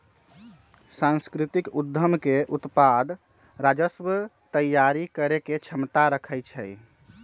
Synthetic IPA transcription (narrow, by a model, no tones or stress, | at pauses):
sãnskɾit̪ikud̪ʱːəmkeʔut̪pad̪ | ɾad͡ʒəsbət̪əjjaɾikəɾeket͡ʃʰəmt̪aɾəkʰəjt͡ʃʰɛ̰j